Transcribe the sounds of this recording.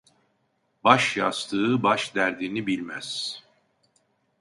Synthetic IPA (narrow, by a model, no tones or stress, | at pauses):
baʃjast̪ʰɯːbaʃd̪æɾd̪iːnibilʲmæz̥